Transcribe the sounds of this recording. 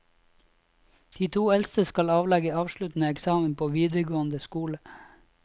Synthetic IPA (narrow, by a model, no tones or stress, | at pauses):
d̪̥iːt̪ʰuːɛlst̪əskɑlɑːʋlɛɡəɑːʋʃɭʉt̪n̩əɛksɑːmən̩pʰoːʋiːd̪əɡoːənd̪əskuːlə